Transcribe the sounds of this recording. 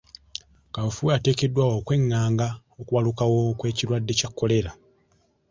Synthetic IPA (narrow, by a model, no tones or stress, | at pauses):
kaofuate̞ːke̞dːwaokwe̞ŋːaːŋɡa | okuβalukawo̞kwe̞ːcilwadːe̞cakːo̞le̞la